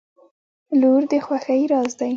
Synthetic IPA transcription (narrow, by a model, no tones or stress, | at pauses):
luɾd̪əxwaxajɾɑzd̪aj